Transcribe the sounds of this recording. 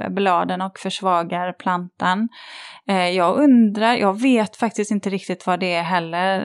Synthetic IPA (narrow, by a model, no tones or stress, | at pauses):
blɑːd̪ənɔkfœʂvɑːɡaɾpʰlant̪an | jɑːɡɵnd̪ɾaɾjʔɑ̰ːɡveːt̪fak̚t̪ɪst̪ɪnt̪əɾɪk̚t̪ɪt̪vad̪ɛːɦɛlːəɾ